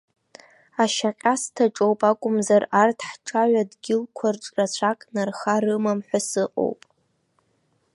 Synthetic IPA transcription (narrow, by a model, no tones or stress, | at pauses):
aʃaqʲʼastʰaʈ͡ʂʼowpʼakʷʼʊmzarartʰħʈ͡ʂʼaʕʷadɡʲɪlkʷʰarʈ͡ʂʼrat͡ɕʷʰakʼnarχaɾɨmamħʷasɨqʼo̰wpʼ